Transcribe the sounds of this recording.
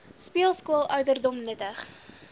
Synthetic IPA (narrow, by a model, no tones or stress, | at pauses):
spiəlˠskuəlˠʔœɥdərdɔmnətəχ